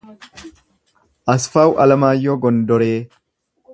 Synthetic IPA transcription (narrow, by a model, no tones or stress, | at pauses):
ʔɐsfaːwʔɐlɐmaːjːoɡɔnd̪ɔɾeː